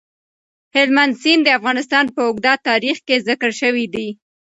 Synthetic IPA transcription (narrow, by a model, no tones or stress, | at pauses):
hɪlmand̪sind̪əafɣɑnɪst̪ɑnpəʊɡd̪at̪ɑɾixkezɪkəɽʃəwid̪i